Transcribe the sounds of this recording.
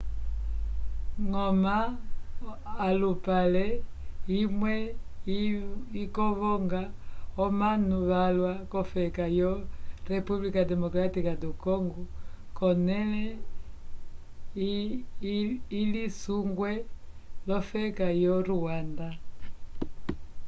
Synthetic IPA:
ŋɔma | lupalɛimwɛ | ikɔβɔŋɡaɔmanuβalwakɔfɛkajɔɾɛpublikadɛmɔkɾatikadukɔŋɡɔ | kɔnɛlɛ | ilisuŋɡwɛlɔfɛkajɔɾuwanda

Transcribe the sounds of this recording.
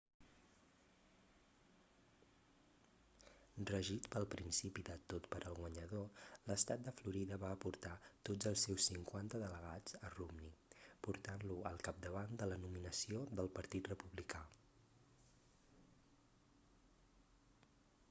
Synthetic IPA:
rəʒit̪pəlˠpɾinsipiðət̪ot̪pəɾʔəlˠɣwəɲəð̞oləst̪at̪̚d̪əfluɾiðəβaəpuɾt̪at̪odd͡zəlˠsːewsːiŋkwant̪əðələɣad͡zərumnipuɾt̪anluəlˠkap̚d̪əβand̪ələnuminəsiod̪əlˠpəɾt̪it̪rəpuβlika

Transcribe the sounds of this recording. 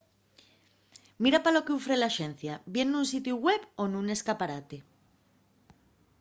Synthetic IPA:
miɾapalo̞keufɾe̞laʃe̞n̟θjabje̞nunsit̪juɣweponune̞skapaɾat̪e̞

